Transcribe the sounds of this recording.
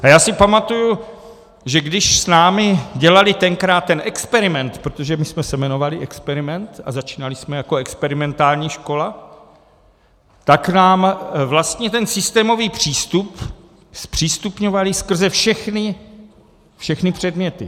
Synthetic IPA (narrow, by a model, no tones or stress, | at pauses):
ʔajaːsɪpamat̪uju | ʒɛɡdɪʃsnaːmɪɟɛlalɪt̪ɛŋkɾaːt̪ːɛnʔɛkspɛɾɪmɛnt̪pɾot̪o̞ʒɛmɪsmɛsɛmɛno̞valɪʔɛkspɛɾɪmɛnt̪a̰zat͡ʃiːnalɪsmɛjako̞ɛkspɛɾɪmɛnt̪aːlɲiːʃko̞la | t̪aknaːmvlast̪ɲɛt̪ɛnsɪst̪ɛːmo̞viːpr̝̥iːst̪up | spr̝̥iːst̪upɲo̞valɪskr̩zɛfʃɛxnɪ | fʃɛxnɪpr̝̥ɛdmɲɛt̪ɪ